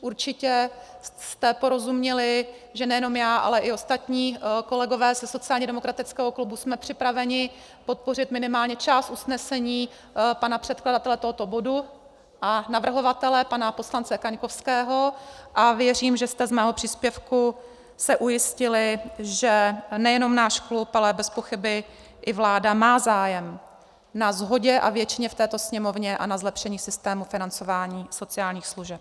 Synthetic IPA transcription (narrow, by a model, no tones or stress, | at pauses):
ʔuɾt͡ʃɪcɛst̪ɛpo̞ɾo̞zumɲɛlɪ | ʒɛnɛjɛno̞mjaːʔa̰lɛʔɪo̞st̪at̪ɲiːko̞lɛɡo̞vɛːzɛso̞t͡sɪaːlɲɛdɛmokɾat̪ɪt͡skɛːɦo̞klubusmɛpr̝̥ɪpɾavɛɲɪ | po̞t̪̚po̞r̝ɪt̪mɪnɪmaːlɲɛt͡ʃaːst̪ʔusnɛsɛɲiː | panapr̥ɛt̪kladat̪ɛlɛt̪oɦo̞t̪o̞bo̞du | ʔanavr̩ɦo̞vat̪ɛlɛpanapo̞slant͡sɛkaɲko̞fskɛːɦo̞ʔavjɛriːmʒɛst̪ɛzmɛːɦopr̥iːspjɛfku | sɛʔujɪscɪlɪʒɛnɛjɛno̞mnaːʃklupalɛbɛspo̞xɪbɪ | ʔɪvlaːdamaːzaːjɛm | nazɦo̞ɟɛʔa̰vjɛt͡ʃɪɲɛft̪ɛːt̪o̞sɲɛmo̞vɲɛʔa̰nazlɛpʃɛɲiːsɪst̪ɛːmufɪnant͡so̞vaːɲiːso̞t͡sɪjaːlɲiːxsluʒɛp̚